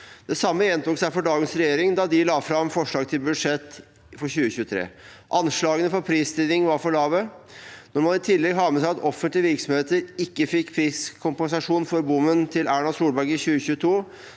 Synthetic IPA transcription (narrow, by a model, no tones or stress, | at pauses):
d̪̥ɛsɑmːəjɛnt̪ʊːksæɪfɔɖɑːɡənsɾɛjeːɾɪŋd̪ɑd̪ɪlɑːfɾɑmfɔʂɭɑːɡt̪ʰɪlbʉd̪ʂɛt̪ː | fɔɾɕʉːəçʉːət̪ʰɾḛːʔɑnʂɭɑːɡənəfɔɾpʰɾiːst̪ɪd̪ɪŋʋɑɾfɔɭɑːʋənɔɾmɑnɪt̪ʰɪlːɛɡɦɑːmɛsæɪɑt̪ɔfənt̪lɪəʋɪɾksɔmheːt̪əɾɪkːəfɪkːpʰɾiːskʰʊmpɛnsɑʂuːnfɔɾbʊmːənt̪ʰɪlæːɳɑsuːlbæɾkɪçʉːəçʉːət̪ʰuː